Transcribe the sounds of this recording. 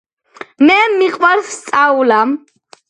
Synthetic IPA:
mɛmiqʼwaɾst̪sʼaulam

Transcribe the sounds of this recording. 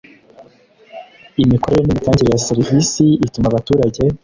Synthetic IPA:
imiko̞ɾe̞ɾenimitaːɲɟeɾejaseɾivisiitumaβatuːɾaɟe̞

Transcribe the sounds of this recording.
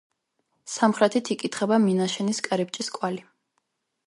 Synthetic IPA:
samχɾɛt̪ʰit̪ʰikʼit̪ʰχɛbaminaʃɛniskʼɾip̚t͡ʃʼiskʼwali

